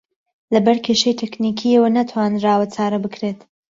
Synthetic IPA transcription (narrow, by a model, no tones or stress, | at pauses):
lɐbɐɾkʰʲeʃejt̪ʰeknikʰiɐwɐnat̪ʰwaːnraːwɐt͡sʰaːɾɐbɨkʰɾeːt̪